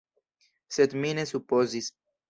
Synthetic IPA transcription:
set̪minesupozis

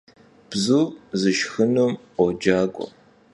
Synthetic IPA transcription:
b̥zuːzɨʃxɨnumʷ | ɔd͡ʒaːɡʷʼɔ̰

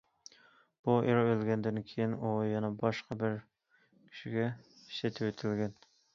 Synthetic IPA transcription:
b̥uʔeɾɑølɡʲɛnd̪ɪnkʲʰejinujɑnɑbɑʃqɑbɪɾ | kʲʰy̥ʃiɡʲɛ | i̥ʃɛt̪ʰewet̪ʰɪlɡʲɛn

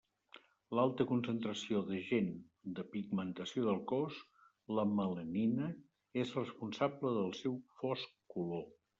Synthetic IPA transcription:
lalˠt̪əkunsənt̪ɾəsioðəʒen | d̪əpiɡmənt̪əsioðəlˠkɔs | ləmələninə | ezrəspunsabləðəlˠsɛwfɔskkulo

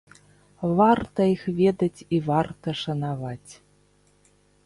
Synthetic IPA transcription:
vart̪ɐixvʲɛd̪ɐt͡sʲivart̪ɐʂɐnavat͡sʲ

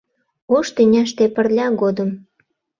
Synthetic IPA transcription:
oʃt̪inʲɑʃt̪epə̆rlʲɑɣod̪əm

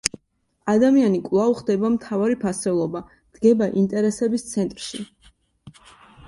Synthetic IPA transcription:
ad̪amianikʼvlˠavχd̪ɛbamt̪ʰavaɾipʰasɛlˠɔba | d̪̥ɡɛbaʔint̪ʼɛɾɛsɛbist̪sʰɛnt̪ʼɾʃi

